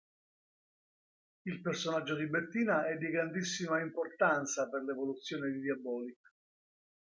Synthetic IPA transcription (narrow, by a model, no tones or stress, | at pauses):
ilpersonad͡ʒːod̪ibet̪ːiːnaɛd̪ːiɡɾand̪isːimaimport̪ant̪saperlevolut̪sːjoːned̪id̪jabɔːlik